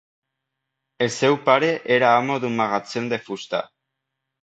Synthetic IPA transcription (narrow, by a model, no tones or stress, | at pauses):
ese̞wpaɾe̞ʔeɾaːmo̞ðumaɣat͡send̪e̞fust̪a̰